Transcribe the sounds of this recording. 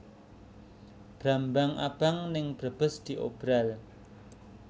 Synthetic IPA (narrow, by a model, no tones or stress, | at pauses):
b̥ɾambaŋʔa̰b̥aŋnɪŋb̥ɾəb̥əsd̪̥i̤ʔob̥ɾal